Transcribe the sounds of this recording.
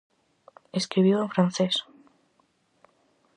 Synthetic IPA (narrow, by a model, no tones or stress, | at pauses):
eskɾiβjoefɾãn̟θes